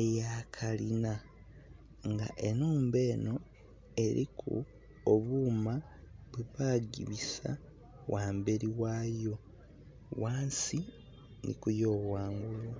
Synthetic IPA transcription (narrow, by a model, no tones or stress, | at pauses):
ejakʰalina | ŋɡa̰ʔe̞nuːmbe̞ːno̞ | e̞ɾikʰṵ | oβuːma | βuβaːɡḭβisa̰ | wʔaːmbeɾiwaːjo̞ | waːnsi | nʔḭkujo̞ːβwaːŋɡula